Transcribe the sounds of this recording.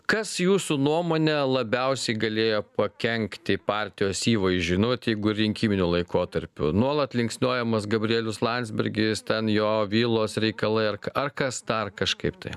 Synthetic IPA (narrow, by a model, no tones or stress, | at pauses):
kɐsjuːsunuɔmoːnʲɛlˠɐbʲɛʊsʲɛɪɡɐlʲeːjoːpɐkʲɛŋʲkt̪ʲɪpɑːɾʲt̪ʲɪjoːsiːʋɐɪʒʲʊnoːt̪ʲjɛɪɡʊɪrɾʲɪŋʲkʲiːmʲɪnʲulˠɐɪkoːt̪ɐɾʲpʲʊ̰nuɔlˠɐt̪lʲɪŋksʲnʲoːjɛmɐsɡɐbʲɾʲɪiːlʲʊslˠɑnʲt̪ʲzʲbʲɪɾʲɡʲɪst̪ʲɛnjoːʋʲiːlˠoːsɾʲɛɪkɐlˠɐɪɐrkɐrkɐsd̪ɐrkɐʃkɐɪpt̪ɐɪ